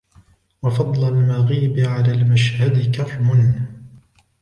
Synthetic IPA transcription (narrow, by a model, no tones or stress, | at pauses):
wɑfɑd̪ˤlalmaɣiːbɪʕalaːlmaʃhad̪ɪkafmʊn